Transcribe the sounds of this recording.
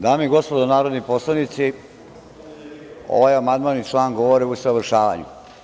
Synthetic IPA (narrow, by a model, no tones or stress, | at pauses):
d̪aːmiɡo̞spod̪onaːɾod̪niposlˠanit̪si | o̰ʋaːjamand̪maːnːit͡ʂlˠaːŋɡoʋoɾeusaʋrʃaːʋa̰ɲṵ